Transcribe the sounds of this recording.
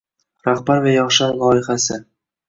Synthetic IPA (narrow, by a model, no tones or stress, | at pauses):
ɾaχbaɾvajɒχʃalˠɒɪχasɪ